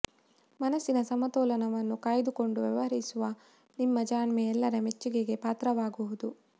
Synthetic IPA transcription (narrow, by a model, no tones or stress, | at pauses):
mɐnɐsːinɐsɐmɐt̪ɔːlɐnɐʋɐnːukaːjd̪uko̞ɳɖuʋjɐ̰ʋɐɦɐɾisuʋɐ | nimːɐd͡ʒaːɳmeɛlːɐɾɐmet͡ʃːiɡeɡe̞paːt̪ɾɐʋaːɡuʋud̪u